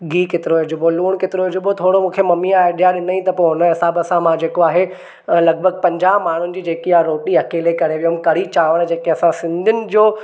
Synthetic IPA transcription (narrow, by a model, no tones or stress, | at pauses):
ɡiːket̪ɪɾoɪd͡ʑʊboluːɽ̃kɪt̪ɪɾoɦɪd͡ʑʊbot̪ʰoːɽomũːkʰemɐmiaeːɗijaɗɪnəĩt̪ɐponəɦɪsaːbɐsãmãd͡ʑeːkoaːɦe | lɐɡ̚bʱəɡ̚pɐ̃ɲd͡ʑaːɦmaːɳ̤ʊnɪ̆d͡ʑiːd͡ʑeːkiaɾoːʈiɐkeːlekɐɾeʋijomkɐɽ̤it͡ɕaːʋəɽ̃d͡ʑeːkeɐsãsɪ̃nd̪ʱʊnɪ̆d͡ʑoː